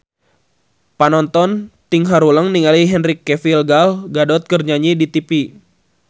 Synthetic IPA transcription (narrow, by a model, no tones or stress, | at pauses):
panɔnt̪ɔnt̪iŋɦaɾuləŋniŋaliɦɛnɾikːɛfilɡalɡadɔt̪̚kərɲaɲidit̪ipi